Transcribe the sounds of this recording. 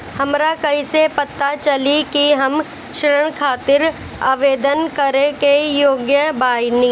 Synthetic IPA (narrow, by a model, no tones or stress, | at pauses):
hɐmɾakɐisepɐt̪ːat͡ʃɐlikiɦɐm | ʃəɾəɽ̃kʰaːt̪ɪɾ | a̰ːʋeːd̪ənkɐɾẽkejoːɡjəbaːɪnĩ